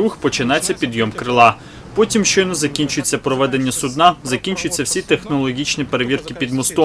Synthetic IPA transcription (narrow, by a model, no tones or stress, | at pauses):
uxpɔt͡ʃɪnɑt͡sʲːɐpʲid̪jɔmkɾɪlˠɑ | pɔtʲimʃt͡ʃɔjnɔzɐkʲinʲt͡ʃʊjet͡sʲːɐpɾɔʋɛd̪e̞nʲːɐsʊd̪nɑzɐkʲinʲt͡ʃʊjet͡sʲːɐwsʲit̪exnɔlˠɔɦʲit͡ʃnʲipeɾeʋʲirkɪpʲid̪mɔst̪ɔ